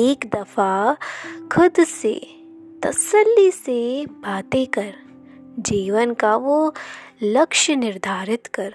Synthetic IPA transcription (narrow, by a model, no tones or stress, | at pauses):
eːkd̪ɐfʰa | kʰʊd̪sḛ | t̪ɐsəlːisebʱaːt̪ekɐɾ | d͡ʒiːʋənkaʋo | lɐkʃənɪɾd̪ʱaːɾɪt̪kɐɾ